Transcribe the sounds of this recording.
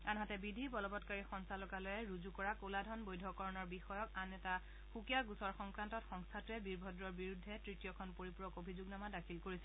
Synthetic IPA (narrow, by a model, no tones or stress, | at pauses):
anɦatɛbidʱibɔlɔbɔtkaɹixɔŋsalɔkalojɛɹuzukɔɹakoladʱɔnbojdʱɔkɔɹɔnɔɹbixɔjɔkanɛta | xukijaɡusɔɹxɔŋkɹantɔtxɔŋstʰatuɛbiɹbʱɔdɹɔɹbiɹudʱːɛtɹitijɔkʰɔnpoɹipɹɔkobʱizuɡnamadakʰilkoɹisɛ